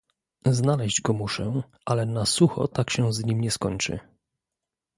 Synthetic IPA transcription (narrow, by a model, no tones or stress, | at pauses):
znalɛʑd͡ʑɡɔmuʂɛ | ʔalɛnasuxɔ̰t̪akɕɛ̃zɲimɲɛskɔɲt͡ʂɘ̰